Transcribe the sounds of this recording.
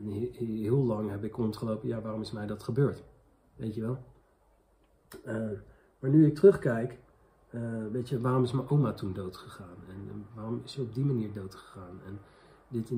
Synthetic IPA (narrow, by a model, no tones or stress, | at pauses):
ɦɪːlˠlɑŋɦɛbɪkɔntχəlowpəjaːʋaːrɔmɪsmɛjdɑtχəbøːɹt | ʋejtəʋɛlˠ | ə | maːɹnyɪk̚tərɵχkɛjk | əʋejtəʋaːrɔmɪsmɛjʔowmatundowtχəχaːnɛnʋaːrɔmɪsəɔb̚dimaniːɹdowtχə̥χaːnɛn | dɪt